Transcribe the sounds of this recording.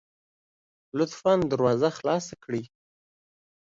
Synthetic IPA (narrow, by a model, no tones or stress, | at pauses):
lʊt̪fɑnd̪əɾwɑzaxlɑsakɽi